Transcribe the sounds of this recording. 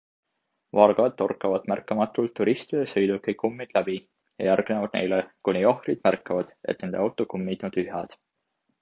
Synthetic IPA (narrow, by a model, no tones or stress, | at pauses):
vɑrɡ̥ɑt̪ːo̞rkːˑɑvɑd̪̥mærkːˑɑmɑt̪ːˑult̪ːuɾist̪id̪̥esɤjd̪ukːejkːumːid̪̥læb̥i | jɑ̰jærɡ̥ne̞vɑd̪̥̚ne̞̰jlekunʲiohrid̪̥mærkːɑvɑd̪̥e̞̰t̪̚ːˑne̞nd̪eɑwt̪ːˑokumːit̪nut̪yɦɑd̪̥